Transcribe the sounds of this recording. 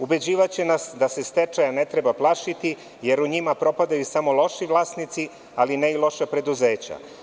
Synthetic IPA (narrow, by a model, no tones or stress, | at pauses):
ube̞d͡ʑiːʋat͡ɕenasd̪ase̞st̪et͡ʃajane̞t̪ɾebaplˠaʃit̪i | je̞ɾuɲimapɾo̞pad̪ajusamo̞lˠo̞ʃiʋlˠaːsnit̪si | alineilˠo̞ʃapɾe̞d̪uzeːt͡ɕa̰